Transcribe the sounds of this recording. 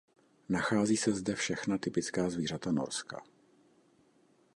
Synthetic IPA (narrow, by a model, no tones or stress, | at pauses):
naxaːziːsɛzdɛfʃɛxnat̪ɪpɪt͡skaːzviːr̝at̪ano̞̰ɾska̰